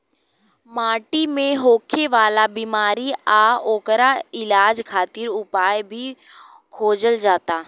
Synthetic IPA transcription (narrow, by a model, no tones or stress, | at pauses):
maːʈimẽɦoːkʰeʋaːlabiːmaːɾiaoːkəɾaɪlaːd͡ʒkʰaːt̪ɪɾʊpaːjbʱi | kʰoːd͡ʒəld͡ʒaːt̪aː